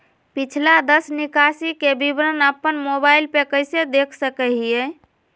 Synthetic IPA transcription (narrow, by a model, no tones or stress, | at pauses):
pit͡ʃʰlad̪əsnikasikebibɾənəpːənmobailpekəjsed̪ekʰsəkɛɦie